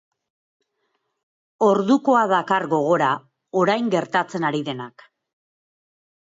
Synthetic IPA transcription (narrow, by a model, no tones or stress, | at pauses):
o̞ɾðuko̞aðakaɾɣo̞ɣ̞o̞ɾa | o̞ɾajŋɡe̞ɾt̪at͡se̞naɾiðe̞nak